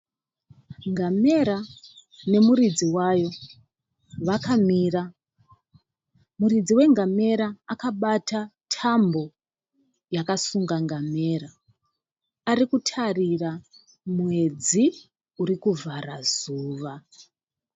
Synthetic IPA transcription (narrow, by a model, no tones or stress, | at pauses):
ŋɡame̞ɾane̞murid͡ziwajo̞ | ʋakamiːra | murid͡ziwe̞ŋɡame̞ɾaːkaɓatatʰambo̞ | jakasuŋɡaŋɡame̞ɾa | arikutʰarira | mwe̞d͡zi | uɾikuvʱarazuːʋa